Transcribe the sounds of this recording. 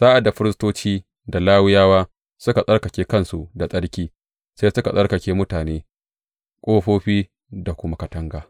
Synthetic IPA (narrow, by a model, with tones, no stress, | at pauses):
saː˦ʔa˨da˨ɸɪ˦ɾɪ˦stoː˦t͡ʃiː˦ | da˨laː˦wɪ˦jaː˦waː˦ | sʊ˦ka˨sʼɐ˦rkɐ˨kʲeː˦kɐ˦nsu˨da˨sʼɐ˦ɽkʲiː˦ | sa˦sʊ˦ka˨sʼɐ˦ɽkɐ˨kʲeː˦mʊ˦taː˨neː˦ | kʷʼoː˦ɸoː˦ɸiː˦ | da˨kʷʊ˦ma˦kɐ˨tɐ˦ŋɡaː˨